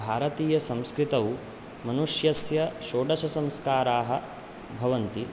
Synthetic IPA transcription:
aːɾɐt̪iːjɐsɐ̃mskɾit̪ɐw | mɐnuʂjɐsjɐʃoːɖɐʃɐsɐ̃mskaːɾaːɦɐ̆ | bʱɐʋɐnt̪i

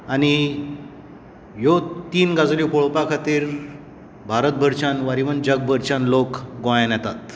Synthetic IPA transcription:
añi | jot̪iːnɡad͡zlipoɭpakʰat̪iːɾ | bʱaɾət̪̚bʱəɾt͡ɕanʋaɾiʋənd͡ʑəɡ̚bʱəɾt͡ɕãnlokɡõjnjɛt̪at̪

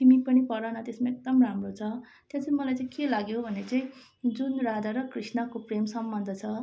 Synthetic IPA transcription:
t̪imipʌnipʌɾanʌt̪esmaek̚d̪ʌmramrot͡sʰʌ | t̪jat͡sʌĩmʌlajt͡sãĩkelaɡjobʱʌnet͡saĩ | d͡zunrad̪aɾʌkrisnʌkopremsʌmbʌnd̪ʱʌt͡sʰʌ

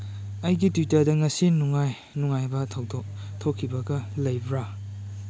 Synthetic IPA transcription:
ɐjɡitutɐɾdɐŋɐsinuŋaj | nuŋajbɐtʰd | tʰokʰːibɐɡɐlɐjbɾa

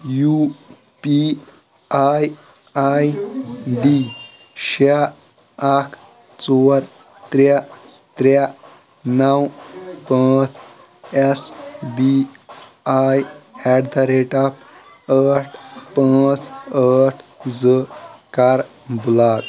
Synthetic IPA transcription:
ju | pi | aj | ajɖi | ɕa | akʰ | t͡soɾ | t̪ɾa | t̪ɾa | nawpãt͡s | esbi | ajɛʈd̪aɾeʈap | əʈʰpə̃t͡səʈʰd͡zəkaɾ | bulat̪

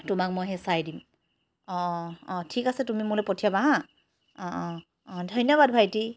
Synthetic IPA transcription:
tʊmak̚mojɦɛsajdim | ɔ̃ʔɔ̃tʰikasɛtumimʊlɛpɔtʰijabaɦa | ɔ̃ʔ | dʱɔjnɔβad̚bʱajti

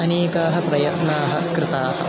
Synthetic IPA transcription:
ɐneːkaːɦɐpɾɐjɐt̪naːɦɐkɾɪt̪aːɦɐ̰̆

